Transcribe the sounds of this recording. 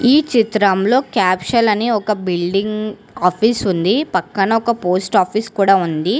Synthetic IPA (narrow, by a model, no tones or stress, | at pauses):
iːt͡ʃit̪ɾɐmlo̞ːkaːpʃɐlɐniɔkɐbilɖiŋɡ | aːpʰiːsund̪ipɐkːɐnɐɔkɐpo̞ːsʈaːpʰiːskuːɽaːund̪i